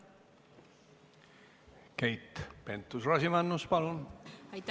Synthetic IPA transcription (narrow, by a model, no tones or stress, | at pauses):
kæjt̪ːpe̞nt̪ːˑusrɑsimɑnːuspɑlun